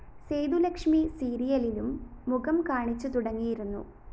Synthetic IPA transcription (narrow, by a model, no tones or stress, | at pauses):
sejd̪ulɐkʂmisiːɾijɐlilumːuɣɐmkaːɳit͡ɕːut̪uɽɐŋːijiɾunːṵ